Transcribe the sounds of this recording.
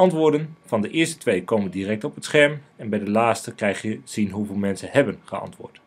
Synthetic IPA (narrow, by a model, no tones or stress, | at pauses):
ɑntʋʊːɹdənv̥ɑndəʔɪːɹstə̥tʋejkowməndirɛk̚tɔpətsχɛɹmɛnbɛjdəlaːstəkrɛjχjəz̥inɦuvɪːlˠmɛnsəhɛbənχəɑ̰ntʋʊ̰ːt